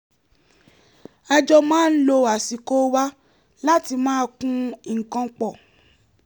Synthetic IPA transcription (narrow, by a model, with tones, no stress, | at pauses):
a˧d͡ʒɔ˧mãː˦n̩˦lo˧a˨si˨ko˦wa˦ | la˦ti˧mãː˦˧˦kũ˦i˨ŋ̩˨kã˧˦k͡pɔ˨